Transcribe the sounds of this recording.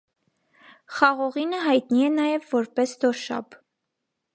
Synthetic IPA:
χɑʁɔʁinəɦɑjt̪niɛnɑjɛvːɔɾpɛsd̪ɔʃɑ̰b

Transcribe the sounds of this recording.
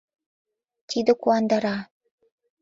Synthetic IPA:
t̪ʲid̪okuand̪aɾa

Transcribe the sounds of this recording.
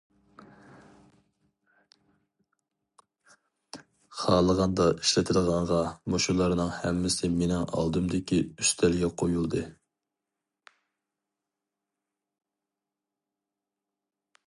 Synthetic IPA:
χɑːlˠəʁɑnd̪ɑi̥ʃlɪt̪ʰɪlʁɑɴʁɑmoʃulˠɑɾnɨŋhɛmːɪsɪmenɪŋɑ̰lˠd̪ɨmd̪ɪkʲʰiyst̪ʰæɾɡʲɛqʰojulˠd̪ɨ

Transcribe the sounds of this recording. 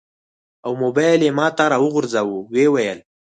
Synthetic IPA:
awmobajlemɑːt̪aɾawʊɣʊɾzawuwewajəl

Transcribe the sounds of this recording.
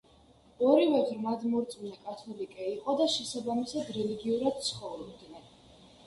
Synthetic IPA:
ɔɾivɛvɾmad̪mɔɾt̪sʼmnakʼat̪ʰɔlikʼɛiqʼɔd̪aʃɛsabamisad̪ɾɛliɡiuɾad̪̥̚t̪sʰχɔvɾmd̪nɛ

